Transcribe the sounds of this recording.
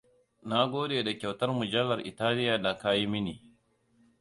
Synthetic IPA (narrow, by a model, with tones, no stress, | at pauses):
na˦ɡʷoː˦deː˨da˨kʲa˨wtɐ˦rmʊ˨d͡ʒɐ˦lːɐ˨rʔɪ̰˨taː˦lɪ˦ja˨da˨ka˦ji˦mɪ˦niː˨